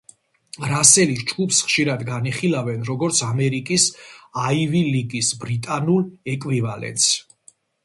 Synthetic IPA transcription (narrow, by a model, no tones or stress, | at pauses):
ɾasɛlisd͡ʒɡupsχʃiɾad̪ɡaniχilavɛnɾɔɡɔɾt̪sʰamɛɾikʼisaiviliɡisbɾit̪ʼanulɛkʼwivalɛ̰nt̪s